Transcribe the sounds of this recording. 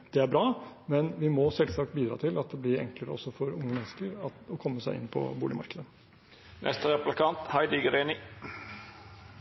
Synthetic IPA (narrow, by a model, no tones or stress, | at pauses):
d̪̥ɛæɾbɾɑːmɛnʋɪmɔsɛlsɑːk̚t̪̚biːd̪ɾɑ̰ːt̪ʰɪlʔɑt̪̚d̪ɛblɪɾɛ̰ŋkləɾə̰ɔ̰sːɔfɔɾʊŋːəmɛnːəskəɾɑɔkʰɔmːəsæɪɪ̰npʰɔ̰buːɪmɑ̰ɾkəd̪ə | nʔɛ̰st̪əɾɛplɪkʰɑnt̪hæɪd̪ɪɡəɾeːnɪ